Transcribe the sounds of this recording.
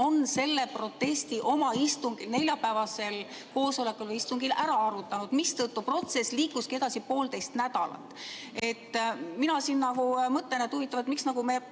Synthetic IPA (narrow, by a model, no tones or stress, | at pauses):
o̞nse̞lːe̞pro̞t̪ːe̞st̪iʔo̞mɑist̪uŋɡ̥ilne̞lʲjɑpæevɑse̞l | ko̞ːso̞le̞kːˑulvɤjist̪uŋɡ̥ilʔæɾɑɑɾut̪ːˑɑnud̪̥mist̪ɤt̪ːupro̞t̪se̞sliːkːˑuskie̞d̪ɑsipo̞ːlt̪e̞jst̪næd̪̥ɑlɑ̰t̪ːˑ | e̞t̪ːminɑsiːnːɑɡ̥umɤt̪ːˑenet̪uvit̪ːˑɑvɑet̪miksnɑɡ̥ume̞